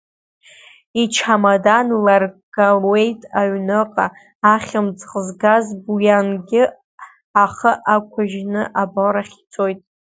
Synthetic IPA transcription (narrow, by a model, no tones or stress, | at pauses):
it͡ʃʰamadanlarɡalwe̞jtʼaɥnɨqʼaː | χʲɪmd͡zqʼəzɡazbujanɡʲɪ | aχəʔakʷʰaʒnɨʔaboɾaχʲi̥t͡sʰʼojtʼ